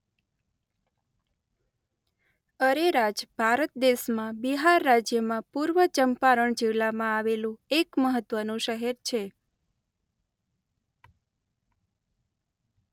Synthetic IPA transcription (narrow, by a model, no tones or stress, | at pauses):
əɾeɾad͡ʒbʱaɾət̪̚d̪eʃmãbiɦaɾːad͡ʒjəmãpuɾʋət͡ʃəmpaɾəɳd͡ʒiʋlamãaʋelũekməɦət̪ʋənũʃəɦeɾt͡ʃʰe